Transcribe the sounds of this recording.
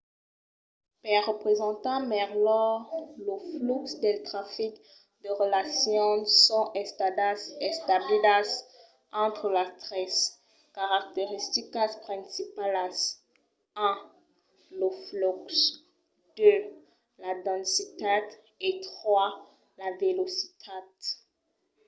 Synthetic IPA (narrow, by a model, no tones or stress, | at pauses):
pɛʁəpχezɑ̃t̪ɑ̃mɛʁlɔʁləfluksd̪elt̪χafik | d̪əʁəlasjɔ̃sɔ̃ʔɛ | ɛst̪ablilas | ɑ̃t̪χəlast̪ʁɛs | kaʁak̚t̪eʁist̪ikaspχɛ̃sipalas | ɛ̃ | ləfluks | d̪ø | lad̪ɑ̃nsit̪ad̪ | et̪χwa | lavelosit̪ʰad̪